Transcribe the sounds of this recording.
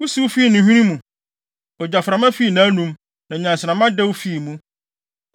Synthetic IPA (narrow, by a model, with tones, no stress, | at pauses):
wu˦si˦wu˦fi˦˨nɪ̃˨ɦĩ˦ɾĩ˦mũ˨ | ɔ˨d͡ʑa˨fɾã˨mã˦fi˦˨nã˨˦nũ˨m | nã˨ɲã˨nsɪ˨nã˨mã˦dɛ˦wu˦fi˦˨mũ˦